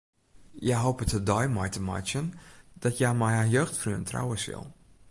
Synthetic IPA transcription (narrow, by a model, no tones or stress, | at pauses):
jɛɦoːpətədɔjmɔjtəmɔ̰jsjənd̥ɔtjajmɛjajøːxtfryəntra̰wəsɪ̰lˠ